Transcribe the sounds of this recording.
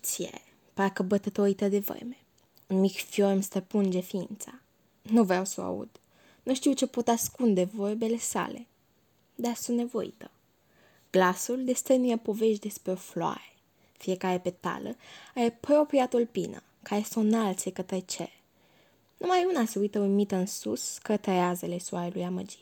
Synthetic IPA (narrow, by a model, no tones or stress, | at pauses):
t̪siḛ | pakəbət̪ət̪oɾit̪əd̪e̞və̰rme | unmikfjormst̪əpɨnd͡ʒe̞fint̪sa | nuvɾawsə̰a̰ṵd̪̥ | nuʃt̪iwt͡ʃe̞po̞t̪askund̪e̞vorbe̞le̞sa̰le̞̰ | d̪arsunt̪nevo̞̰ḭt̪ə | ɡ̥lasuld̪e̞st̪ənijepo̞ve̞ʃd̪e̞spɾeo̞floa̰ɾe | fije̞kaɾe̞pe̞t̪a̰ləaɾepɾo̞pɾiat̪ulpḭnə̰ | kaɾesunnalt̪sekət̪ɾet͡ʃḛ | numajunase̞ujt̪əujmit̪əɨnsṵskət̪ɾeazele̞suaɾelujamə̰d͡ʒit̪